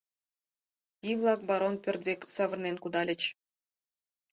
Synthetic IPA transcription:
iβlˠɑk̚bɑɾonpʲørt̪̚βeksɑβərnenkud̪ɑlʲə̆t͡ɕ

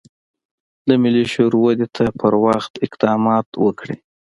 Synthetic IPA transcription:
d̪əmɪliʃoɾwad̪et̪ʰapʰəɾwaxt̪ɪqd̪ɑmɑt̪wəkɽḭ

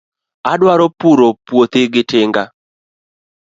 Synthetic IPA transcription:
adwaɾɔpuɾopwot̪ɪɡɪtɪŋɡa

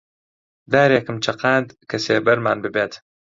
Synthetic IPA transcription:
d̪aːɾeːkɨmt͡ʃʰɐqaːnd̪kʰɐseːbɐɾma̰ːnbɨbeːt̪

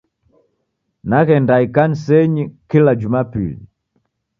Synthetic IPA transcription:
naɣɛndaikan̩sɛɲikilad͡ʒumapḭli

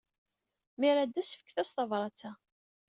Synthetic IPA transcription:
miɾæd̪æsəfə̥kθæsθɑvɾˤɑt͡sæ

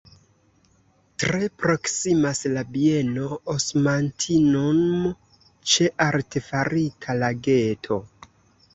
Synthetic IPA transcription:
tɾe̞pɾo̞ksimaslabie̞no̞osmantʰinon | t͡ʃe̞ʔaɾtefaɾitʰalaɡe̞tʰo̞

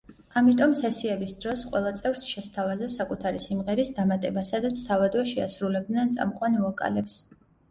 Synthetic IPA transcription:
amit̪ʼɔmsɛsiɛbisd̪ɾɔsqʼwɛ̰lˠat̪sʼɛvɾsʃɛst̪ʰavazɛsakʼut̪ʰaɾisimʁɛɾisd̪amat̪ʼɛbasad̪at̪sʰːavad̪waʃɛasɾulɛb̚d̪nɛnt̪sʼa̰mqʼwaniakʼa̰lɛps

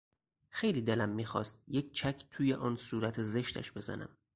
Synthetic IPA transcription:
xe̞jliːd̪elæmːiːxɒ̰ːst̪̚jekʰt͡ʃʰækʰt̪ʰuːjeʔɒːnsuːɾæt̪ʰeze̞ʃt̪ʰæ̰ʃbe̞zæ̰nʔæ̰m

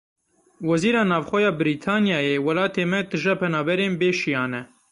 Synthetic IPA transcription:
wɛziːɾɑːnɑːvxʷɛjɑːbɨɾiːt̪ʰɑːnjɑːjeːwɛlɑːt̪ʰeːmɛd̪ɨʒɛpʰɛnɑːbɛɾeːnbeːʃijɑːnɛ

